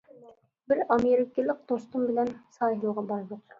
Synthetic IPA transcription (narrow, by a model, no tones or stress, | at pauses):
bɪɾɑmeɾɪkʲɪlˠɪq̚d̪̥ost̪ʊmbɪlɛnsɑːjɦlˠʁɑbɑɾpɑt̪